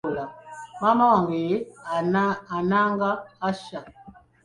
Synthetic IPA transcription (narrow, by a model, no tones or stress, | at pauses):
lamamɔŋɡeaanaŋɡaːʃa